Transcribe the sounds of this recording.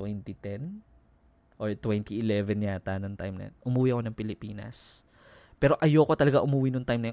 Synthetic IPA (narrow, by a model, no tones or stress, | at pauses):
wɛnt̪it̪ɛn | ʔoɹt̪wɛnt̪iʔɪlɛvɛnːjaːt̪anɐŋt̪ajmnɐ̰ʔʊmuːwiʔɐkonɐŋpɪlɪpiːnɐ̰s | pɛːɾo̞ʔɐjoko̞t̪ɐlɐɡaʔʊmuːwinoŋt̪ajmnɐ